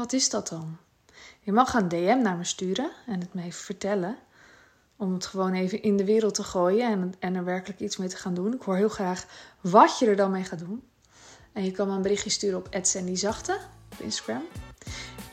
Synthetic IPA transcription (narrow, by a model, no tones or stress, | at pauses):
ʋɑtɪzdɔtɔn | jəmɑχəndeɛmnaːɹməstyːɾəɛnətmevəfəɹtɛlə | ɔmətχəʋoːnejvənʔɪndəʋɪːɾəlˠtəχoːjəɛnəɹʋɛɹkələkismejtə̥χaːndunɪkhʊːɹɦɪːlˠxraːχʋɔtjədəɹdɑnmejχaːdun | ɛnjəkɑnmajənbərɪχjəstyːɾəɔpɛtsɛndizɑχtəɔpɪ̰nstaɡɹɛm